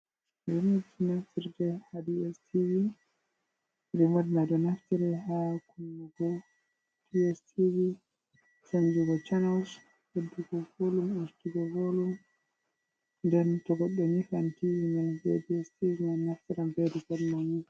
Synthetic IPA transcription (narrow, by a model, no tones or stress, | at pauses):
ɾimɔdnaftiɾdɛhadiɛstʰivi | ɾimɔdnadɔnaftiɾɛhakunːaɡɔ | tiɛstʰivi | sand͡ʒuɡɔt͡ʃanaws | hedːiɡɔvoluminstiɡɔvolum | ndɛntɔɡɔɗːɛnifantivinanbiḛdiɛstivinanaftiɾambedikadmani